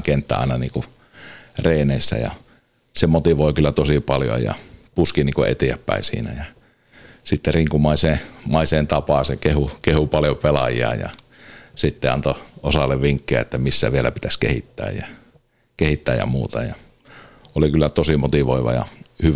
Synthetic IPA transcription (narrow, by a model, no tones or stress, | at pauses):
kent̪ːæ̰ɑ̰ˑenɑniːŋku | reˑːneˑisːæ̰jɑ̰ | semot̪iʋoˑikylːæt̪osipɑljo̰jɑ̰puskiniːŋkuḛt̪iæpːæ̰isḭːnæjɑ | sit̪ːeriŋkumɑiseːmɑiseːnt̪ɑpɑsekehukehupɑljopelɑ̰jḭɑ̰jɑ̰ | sit̪ːeɑnt̪oosɑlːeʋʋiŋkːiæ̰et̪ːæmisːæ̰ʋielæpit̪æskehit̪ːæ̰ːjjɑ | kehit̪ːæːjɑ̰muːt̪ɑjɑ | olikylːæt̪osimot̪iʋoiʋɑ̰jɑ̰hyʋ